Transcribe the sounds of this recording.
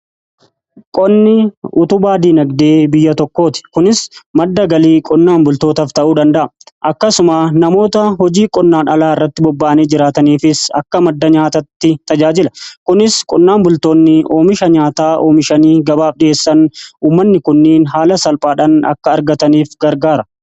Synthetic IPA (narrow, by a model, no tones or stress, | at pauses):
kʼɔnːɪʊt̪ʊbaːd̪iːnɐɡd̪e̞ːbɪjːɐt̪ɔkːo̞ːt̪ɪ̥kʊnɪsmɐd̪ːɐɡɐliːkʼɔnːaːmbʊlt̪o̞ːt̪ɐft̪ɐʔuːd̪ɐnd̪ɐʔɐʔɐkːɐsʊmaːnɐmo̞ːt̪ɐɦɔd͡ʒiːkʼɔnːaːnɐlaːɪrːɐt̪ːɪbɔbːaːɐneːd͡ʒɪɾaːt̪ɐniːfɪsɐ̰kːɐmɐd̪ːɐɲaːt̪ɐt̪ːɪt̪ɐd͡ʒaːd͡ʒɪlɐkʊnɪskʼɔnːaːmbʊlt̪o̞ːnːɪʔo̞ːmɪʃɐɲaːt̪aːʔoːmɪʃɐniːɡɐbaːfɗɪʔeːsːɐnuːmːɐnːɪkʊnːeːnɦaːlɐsɐlpʼaːᶑɐːnɐ̰kːɐːɾɡɐt̪ɐniːfɡɐɾɡaːɾɐ